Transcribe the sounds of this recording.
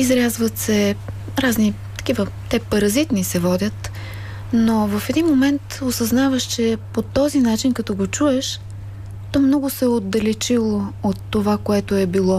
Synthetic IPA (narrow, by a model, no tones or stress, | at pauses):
izɾʲazvət̪sɛ | ɾazni | t̪ɐ̥k̟ivət̪ɛpɐɾɐzit̪nisɛvɔd̪ʲət̪ | novɐfɛd̪inmomɛnt̪osɐznavəʃt͡ʃɛpot̪ɔzinat͡ʃinkɐt̪ɔɡot͡ʃuɛʃ | t̪ɔmnɔɡʊsɛod̪ːɐlɛt͡ʃilˠoot̪ːovakoɛt̪oɛbilˠɔ